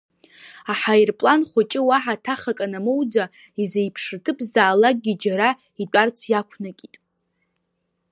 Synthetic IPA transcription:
aħajrpʼlanχʷat͡ʃʼɪwaħatʰaχakʼanamowd͡za | izejpʰʂtʰɨpʰʼzaːlaɡ̚ɡʲid͡ʒaɾa | idʷʼart͡sʰjakʷʰnakʲʼitʼ

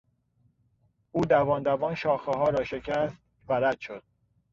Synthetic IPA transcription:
uːd̪ævɒːnd̪ævɒːnʃɒːxeɦɒːɾɒːʃe̞cʰæst̪ | væɾæd̪̥ʃod̪̥̚

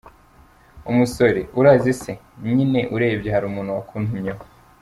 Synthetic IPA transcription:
umuso̞ɾḛʔuɾaːzise | ɲine̞ʔuɾe̞ːbjehaɾuːmuːn̥huwakʰuːnhumɲo

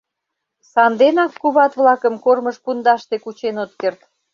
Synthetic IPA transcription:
sɑnd̪enɑkːuβɑt̪βlɑkəmkorməʃpund̪ɑʃt̪ekut͡ɕenot̪kert̪

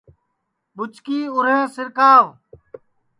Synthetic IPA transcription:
ɓʊt͡ʃkiːʊɾ̤ẽːsɪɾkaːʋ

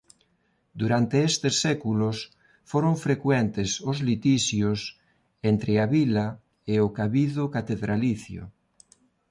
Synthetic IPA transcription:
d̪uɾant̪eest̪esːɛkulos | foɾoɱfɾekwɛnt̪esʊzlit̪iʃjos | ent̪ɾeaβila | eʊkaβiðʊkat̪eðɾaliθjo̰

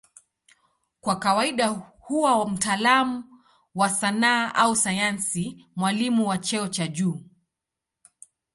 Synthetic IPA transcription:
kwakawaiɗahuwawam̩taːlamu | wasanaːʔausajansimwalimuwat͡ʃɛɔt͡ʃaʄuː

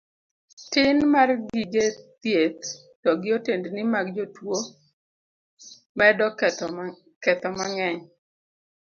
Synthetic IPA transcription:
tɪnmarɡiɡet̪jet̪̚ | tɔɡɪotendnɪmaɡd͡ʒotwo | mɛdɔ | kɛt̪ɔmaŋɛɲ

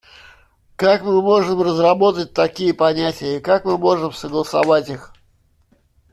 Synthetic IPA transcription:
kakmɨmo̞ʐɨmrəzrɐbo̞t̪ət̚ʲt̪ɐkʲijəpɐnʲætʲɪjəkakmɨmo̞ʐɨmsəɡlˠəsɐvatʲix

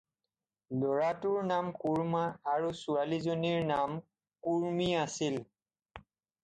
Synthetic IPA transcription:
lɔɹatuɹnamkuɹmaːɹusualizoniɹnam | kuɹmiasil

